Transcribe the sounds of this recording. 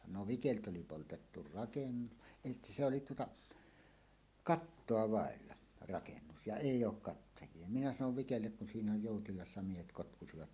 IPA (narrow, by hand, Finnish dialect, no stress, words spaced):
no ʋikelt oli poltetːu rɑkenːu eˑi se oli tuotɑ kɑtːoɑ ʋɑˑelːɑ rɑkenːus jɑ eˑijˑ oːk kɑtːɑjˑie minæ sɑnoʋ ʋikelːek kun siːnæ joˑutilɑsːɑ miehet kotkusiʋɑt